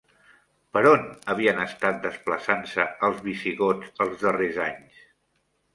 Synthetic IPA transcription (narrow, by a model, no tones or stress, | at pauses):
pəɾonəβ̞iənəst̪at̪̚d̪əspləsansəəlˠzβisiɣod͡zəlˠzðərezaɲs